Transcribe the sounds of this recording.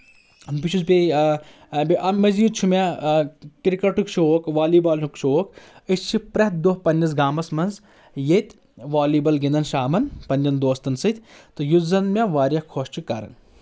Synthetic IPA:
bit͡ʃʰusbʲe | biʔɐmːɐziːt͡ʃʰumʲa | kɾikɐʈukʃʰoːkʋaːliːbaːlɦukʃoːkɨst͡ʃʰipɾɐt̪̚d̪oɦpɐnʲːɐs̬ɡaːmɐsmɐnz | jet̪ʲ | ʋaːliːbɐlɡind̪ɐnʃaːmɐnpɐnʲd͡ʒɐnd̪oːst̪ɐnsɨt̪ʲt̪ɨjuzɐnmʲaʋaːɾʲjɐkʰoːʃt͡ʃʰukɐɾɐ̰n

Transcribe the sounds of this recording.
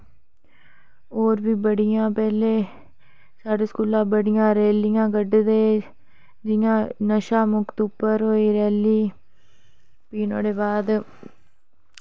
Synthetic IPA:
oːɾbiːbəɽɪjãːpɛːleː | saːɖeːskuːlãːbəɽɪjãːɾeːlɪjãːɡəɖd̪eː | d͡ʒɪjãːnəʃaːmʊkt̪ʊpːəɾɦoːiːɾɛːliː | piːnõːɖeːbaːd̪

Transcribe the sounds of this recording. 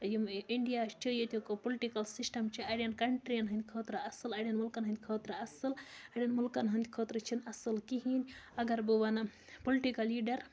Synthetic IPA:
jimiɳɖijast͡ʃʰijet̪ʲukopoliʈikɐlsisʈɐmt͡ʃʰiɐɽijɐnkɐɳʈɾijɐnɦɐnd̪ʲikʰoːt̪ɾɐɐsɨlɐɽʲjɐnmulkɐnɦɐ̃nd̪ʲkʰoːt̪ɾɐɐsɨlɐɽʲɐnmulkɐnɦɐnd̪ʲikʰoːt̪ɾɐt͡ʃʰinɐsɨlkiɦinʲɐɡɐɾbuʋanɐ | poliʈikɐlːiːɖɐɾ

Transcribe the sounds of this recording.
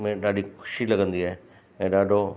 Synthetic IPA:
mẽɗaːɖixʊ̥ʃilɐɡə̃nd̪iaːɦe | ɛ̃ːɗaːɖʱo

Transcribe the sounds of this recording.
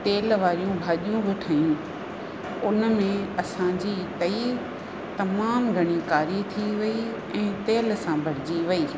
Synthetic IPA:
t̪eːlʋaːɾijũbʱaːɗijũbʱɪʈʰaːjũ | ʊnmẽɐsãd͡ʑiːt̪ɐi | t̪ɐmaːmɡʱɐɽ̃ikaːɾit̪ʰiʋɐi | ɛ̃ːt̪eːlsãbʱɐɾ̤ɪd͡ʑiʋɐiː

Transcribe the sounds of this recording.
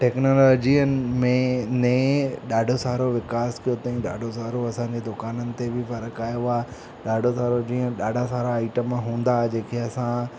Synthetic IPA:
ʈɛːknoːlɔːd͡ʑiənɪ̆mẽnẽɗaːɖʱosaːɾoʋɪkaːskijot̪aːĩɗa̰ːɖʱosaːɾoɐsãɲd͡ʑed̪ʊkaːnənɪ̆t̪ebʱɪfɐɾəkaːjoaː | ɗaːɖʱosaːɾod͡ʑĩːə̃ɗaːɖʱasaːɾaːɪʈəmɦũːn̆d̪ad͡ʑeːkʰeɐsã

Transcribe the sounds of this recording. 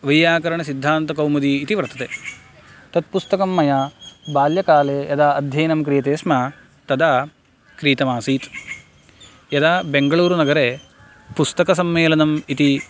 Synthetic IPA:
ʋɐjjaːkɐɾɐɳɐsid̪ʱːaːnt̪ɐkɐwmɐd̪iːt̪iʋɐɾt̪ɐt̪eː | t̪ɐt̪̚pust̪ɐkɐmːɐjaːbaːljɐkaːleːjɐd̪aːɐd̪ʱjɐːnɐmkɾijɐt̪eːsma | t̪ɐd̪aː | kɾiːt̪ɐmaːsiːt̪ | jɐd̪aːbeŋɡɐɭuːɾunɐɡɐɾeː | pust̪ɐkɐsɐmːeːlɐnɐmit̪i

